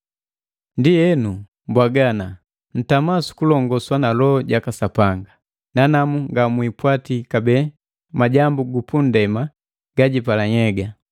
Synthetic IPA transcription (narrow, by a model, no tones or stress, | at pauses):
ndijɛnu | mbwaɡana | n̩tamasu̥kulɔŋɡɔswanalɔɟakasapaŋɡa | nanamuŋɡamwipwatikabɛ | maɟambuɡupundɛma | ɡ̥aɟipalaɲɛɡa